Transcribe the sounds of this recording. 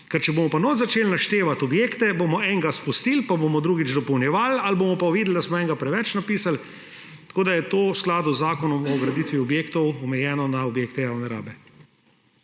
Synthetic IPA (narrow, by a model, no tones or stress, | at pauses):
kɛɾt͡ʃɛboːmɔpanɔzat͡ʃeːlnaʃt̪eːʋat̪ɔbjeːkt̪ɛbomɔɛŋɡaspust̪iːlpabomɔd̪ɾuːɡid͡ʒd̪ɔpɔwnjɛʋalalboːmɔpaʋiːd̪ld̪asmɔɛŋɡapɾɛʋɛt͡ʃnapiːsal | t̪ḁkoːd̪ajɛt̪oːwsklaːd̪uzːaːkɔnɔmɔɡɾɐd̪iːt̪ʋiɔbjeːkt̪ɔwɔmɛjɛːnɔnaobjeːkt̪ɛjaːwnɛɾa̰ːbɛ